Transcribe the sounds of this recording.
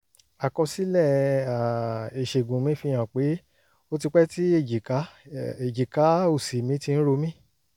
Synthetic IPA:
a˨kɔ˧si˨˦lɛ˦˨a˨e˨ʃe˨ɡũ˨mĩ˦fi˧j̃ã˨k͡pe˨˦ | o˦ti˧k͡pɛ˦ti˦e˦˨d͡ʒi˨ka˨˦e˨d͡ʒi˨ka˨˦o˦˨si˨mĩ˨˦ti˧ñ̩˦ɾo˧mĩ˦

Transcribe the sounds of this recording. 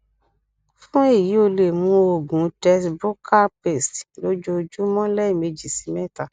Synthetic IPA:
fũ˦e˦˨ji˨˦o˦˧le˨mũ˨˧˦o˨ɡũ˨˦tɛ˧sbu˦kʰa˦˨pe˨stlo˦d͡ʒo˧d͡ʒu˦mɔ̃˦lɛ˦i˦˨me˧d͡ʒi˦˨si˨˦mɛ˦˨ta˨

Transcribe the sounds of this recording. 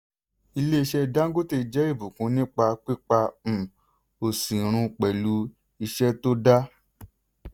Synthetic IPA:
i˧le˦i˧ʃɛ˦da˦ŋ˦ɡo˦te˦˧˨d͡ʒɛ˨˦i˦˨bu˨kũ˨˦nĩ˦k͡pa˧k͡pi˦k͡pa˧m̩˨ | o˨sĩ˨ɾ̃ũ˧k͡pɛ˨lu˨˦ | i˧ʃɛ˦to˦da˦

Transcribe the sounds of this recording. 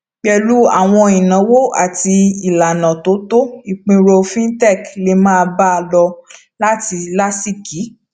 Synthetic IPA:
k͡pɛ˧lu˦a̰˦˨w̃ɔ̃˧ĩ˨nã˨˦wo˦a̰˨ti˧i˨la˨nã˨to˨˦to˦i˦˨k͡pĩ˧ɾo˧fĩ˦n˦tɛ˦˨kle˦mãː˦˧ba˦˧lɔ˧ | la˦ti˧la˦si˦˨ki˨˦

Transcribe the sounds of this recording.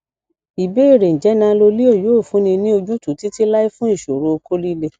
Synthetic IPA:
i˨be˨˦i˦˨ɾe˨n̩˨d͡ʒɛ˨˦nã˧lo˧li˦o˦˨jo˨˦o˦˨fũ˨˦nĩ˧nĩ˦o˧d͡ʒũ˦tũ˨˦ti˦ti˦la˦i˦fũ˦i˦˨ʃo˨ɾo˧o˧ko˦li˦le˦˨

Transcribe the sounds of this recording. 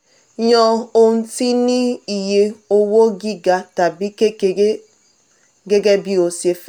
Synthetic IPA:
ɲɔ˦o˨n̩˦ti˦ni˦i˨je˦o˦wo˦ɡi˦ɡa˨ta˨bi˦ke˦k | ɡe˦ɡe˦bi˦o˨sje˨f

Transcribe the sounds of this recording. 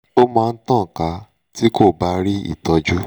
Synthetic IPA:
o˦mãː˧n̩˦tã˦˨ka˧ | ti˦ko˦˨ba˧ɾi˦ḭ˦˨tɔ˧d͡ʒu˦

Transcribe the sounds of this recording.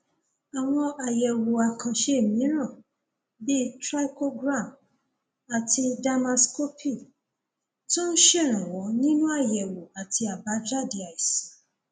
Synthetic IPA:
a˨w̃ɔ̃˧a˨jɛ˨wo˨a˨kʰã˨ʃe˧e˦˨mĩ˨˦ɾ̃ã˦˨ | bi˦tɾa˦i˦ko˦ɡɾã˦˨m | a˨ti˧da˧ma˧sko˦pʰi˦˨ | tũ˦n̩˦ʃɛ˦˨ɾ̃ã˨wɔ̃˨˦nĩ˦nũ˦a˦˨jɛ˨wo˨a˨ti˧a˨ba˨˦d͡ʒa˦˨di˨a˨i˨s

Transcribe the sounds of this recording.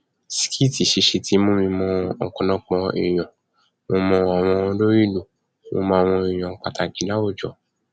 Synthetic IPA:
si̥˨kʰi˦˨ti˨ʃe˧˦ʃe˧ti˧˦mõ˧mĩ˧mɔ̃˧ɔ˨kɔ̃˧nɔ̃˧k͡pɔ̃˧ḭ˨j̃ɔ̃˨ | mo˧mɔ̃˧a˨w̃ɔ̃˧lo˦ɾi˦˨lo˨ | mo̰˧mãː˧wɔ̃˧i˨j̃ɔ̃˨˦k͡pa˧ta˨ɡi˨˦la˦o˦˨d͡ʒɔ˨

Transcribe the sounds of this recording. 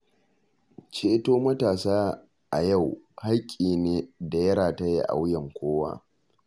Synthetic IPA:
t͡ʃeː˦toː˦mɐ˦taː˨saː˦ | ʔa̰˨ja˦˨wha˦kʲʼiː˨neː˦da˨jɐ˦ɽaː˨ta˦jḛ˦ʔa̰˨wjɐ˨ŋkʷoː˦wa̰ː˦

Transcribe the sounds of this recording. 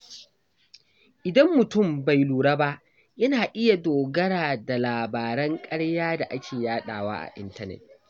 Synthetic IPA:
ʔɪ˨dɐ˦mːʊ˨tʊ˦˨mba˨jluː˨ɽa˦ba˦ʔ | jɐ˦naː˨ʔɪ˦ja˨doː˨ɡɐ˦ɽaː˨da˨laː˨baː˨ɾɐ˦ŋkʼɐ˦ɽjaː˦da˨ʔa˦kʲʰeː˨jaː˦ɗa̰ː˨wa̰ː˦ʔa̰˨ʔɪ˦ntɐ˦nɛ̰˨t̚

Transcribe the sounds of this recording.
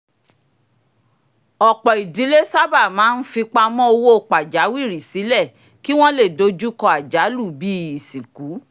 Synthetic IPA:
ɔ˨k͡pɔ˨i˨di˨˦le˦sa˦ba˦˨mãː˨˦n̩˦fi˧k͡pa˧mɔ̃˦o˧wo˦o˨k͡pa˨d͡ʒa˨˦wi˦˨ɾi˨si˨˦lɛ˦˨ | ki˦w̃ɔ̃˦le˦˨do˧d͡ʒu˦kɔ˧˦a˨d͡ʒa˨˦lu˦˨bi˦i˨si˨ku˨˦

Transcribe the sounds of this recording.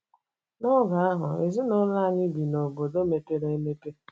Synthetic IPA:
nɔ˦ɡa˨˦a˦ɦʊ˨e˨zi˦no˦la˦˨ɲɪ˦bi˨no˨bo˨do˦me˨te˦ɾe˦e˦me˦te˦

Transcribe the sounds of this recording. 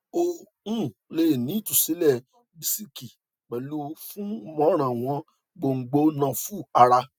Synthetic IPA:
o˧ | ũ˦˨le˨nĩ˨˦tũ˨si˨˦lɛ˦˨ | bi˨si˦ki˨ | k͡pɛ˨lu˦fũ˦mɔ̃˦ɾ̃ã˨w̃ɔ̃˧˦ | ɡ͡bo˧ŋ̩˨˦ɡ͡bo˧nã˧fu˦˨a˧ɾa˧

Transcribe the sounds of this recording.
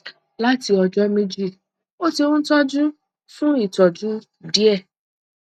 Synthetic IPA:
la˦ti˧ɔ˧d͡ʒɔ˦mĩ˦d͡ʒi˦˨ | o˦ti˧õ˦n̩˦tɔ˦d͡ʒũ˦ | fũ˦i˦˨tɔ˨d͡ʒũ˨˦ | di˦ɛ˦˨

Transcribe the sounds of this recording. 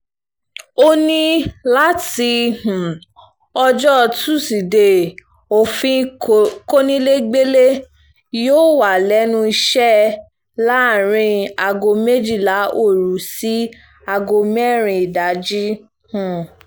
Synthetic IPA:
o˦nĩ˦la˦ti˧hũ˨ | ɔ˧d͡ʒɔ˦˧tu˦˨si˨de˨ | o˨fĩ˦ko˦nĩ˦le˦ɡ͡be˦le˦ | joː˦˨wa˨lɛ˨˦nũ˧i˧ʃɛ˦ | la˦˨ɾ̃ĩ˧a˨ɡo˧me˦d͡ʒi˦˨la˨˦ʔo˦˨ɾu˨˦si˦ | a˧ɡo˧mɛ˦˨ɾ̃ĩ˧i˨da˨˦d͡ʒi˦ | hũ˨

